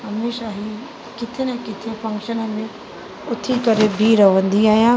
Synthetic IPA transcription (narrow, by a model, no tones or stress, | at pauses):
ɦɐmeːʃaɦiː | kɪt̪ʰenɛ̃kɪt̪ʰefɐ̃ŋkʃənə̆mẽ | ʊt̪ʰikɐɾebʱiɾɐʋə̃nd̪iaːɦijãː